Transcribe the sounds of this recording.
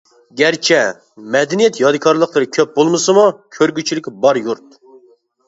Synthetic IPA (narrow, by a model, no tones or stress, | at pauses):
ɡʲæɾt͡ʃʰɛ | mɛd̪ɛnijɛt̪jɑd̪ɨkʰɑɾlˠəqlˠəɾɨkʲʰøp̚bolˠmɨsɨmukʲʰøɾɡʲyt͡ʃʰilɪkʲbɑɾjuɾt̪